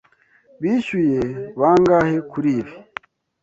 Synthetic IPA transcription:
βiːʃujeβaːŋɡahekuɾiːβi̥

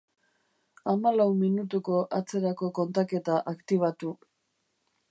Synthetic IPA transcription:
amalawminut̪̬uko̞ʔat͡se̞ɾako̞ko̞nt̪ake̞t̪aʔakt̪iβ̞at̪u

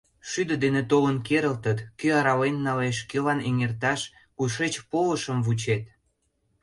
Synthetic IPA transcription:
ʃyd̪ə̆d̪enet̪olənkeɾəlt̪ət̪kyɑɾɑlenːɑleʃkelɑneŋert̪ɑʃ | kuʃet͡ɕpoləʃəmvut͡ɕet̪

